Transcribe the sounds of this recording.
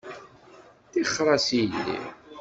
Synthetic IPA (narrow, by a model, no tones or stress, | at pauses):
θiχːɾˤɑsilːḭ